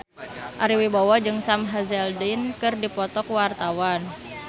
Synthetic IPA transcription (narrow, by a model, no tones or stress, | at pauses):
ʔaɾiwibawɔd͡ʒɨŋsamɦazɛldinkɨrdipɔt̪ɔkwart̪awan